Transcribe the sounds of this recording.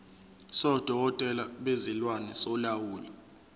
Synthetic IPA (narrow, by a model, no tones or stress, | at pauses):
sɔd̥ʱɔɔtʼɛlaɓezilwanɛsɔlawuːlɔ